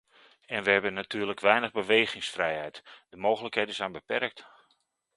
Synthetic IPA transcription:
ɛnʋəɦɛbənatʰyːrləkʋɛjnəɣbəʋejɣɪŋsfrɛjhɛjtdəmoːɣələkɦejdənzɛjnbəpɛrk̚t

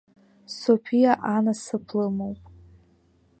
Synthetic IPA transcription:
sopʰijaʔanasɨpʰlɨmowpʼ

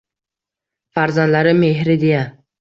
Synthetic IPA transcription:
faɾzand̪laɾɪmeɦɾɪd̪eja

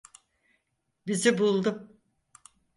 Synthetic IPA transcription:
bizibulˠd̪u

